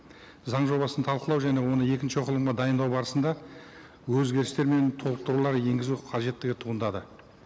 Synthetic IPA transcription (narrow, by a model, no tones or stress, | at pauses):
zɑɴʒo̞bɑsənt̪ʰɑlˠqəlˠɑwʒæne̞wo̞nəe̞kʲɪnʃɪqʰəlˠəmɴʁəd̪ɑjənd̪ɑwbɑɾəsənd̪ɑ | wɵzɡʲe̞ɾɪst̪e̞ɾme̞nt̪ʰo̞lˠəp̚t̪əɾulˠɑɾje̞ŋɡʲɪzuqʰɑʒe̞t̪ːɪɡʲɪt̪ʰuʁənd̪ɑd̪ə